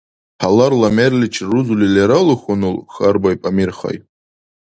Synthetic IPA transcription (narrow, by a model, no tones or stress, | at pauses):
ħʰalarlamerlʲit͡ʃʰruzulilaɾalɨχʷʊnɨlχarbajpʼamirχa̰jtʼ